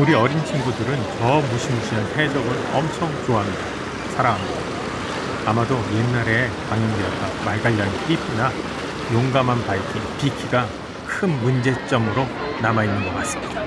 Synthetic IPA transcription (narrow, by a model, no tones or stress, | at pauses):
uɾiʌɾint͡ɕʰiŋɡudɯɾɯnt͡ɕʌmuɕʰimuɕʰiansʰed͡ʑʌɡɯɭʌmt͡ɕʰʌŋt͡ɕoɦamida | sʰaɾaɦamo | amadoje̞nːaɾe̞paŋjʌndeʌt̚t͈amaɭɡaʎːanpʰipʰina | joŋɡamanpaikʰipikʰiɡa | kʰɯnmund͡ʑe̞t͡ɕ͈ʌmɯɾonamainːɯnɡʌkas͈ɯ̥mid̥a